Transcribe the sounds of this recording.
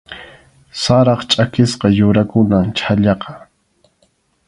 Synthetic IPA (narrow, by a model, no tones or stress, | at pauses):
saɾɑχt͡ʃʼakɪsqɑjʊɾakʊnaŋt͡ʃʰaʎɑqɑ̥